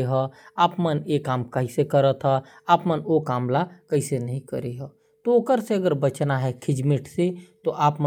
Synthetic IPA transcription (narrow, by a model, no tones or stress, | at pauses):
ɦɛ̃aːpmənekaːmkəɦisekəɾət̪ʰɦɛ | aːpmənokaːmlakɐɦisenəɦĩkə̰ɾeɦɛ̃ː | t̪oʊkəɾseɐɡəɾbət͡ʃnaɦɛkʰɪd͡ʒmɪʈset̪oʔaːpm